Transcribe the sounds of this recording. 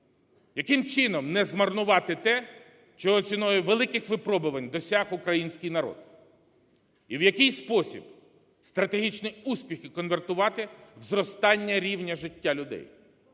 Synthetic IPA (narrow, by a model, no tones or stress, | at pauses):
jɐkɪmt͡ʃɪnɔmnɛzmɐrnʊʋɑt̪ɪt̪ɛ | ʃt͡ʃɔɦɔt͡sʲinɔjɛʋelˠɪkɪxʋɪpɾɔbʊʋɐnʲd̪ɔsʲaxʊkɾɐjinʲsʲkɪjnɐɾɔ̰d̪̥ | iwjɐkɪjspɔsʲḭb | st̪ɾɐt̪eɦʲit͡ʃnɪjuspʲixɪkɔnʋert̪ʊʋɑt̪ɪʋzɾɔst̪ɑnʲːɐɾʲiwnʲɐʒɪtʲːalʲʊd̪ɛ̰j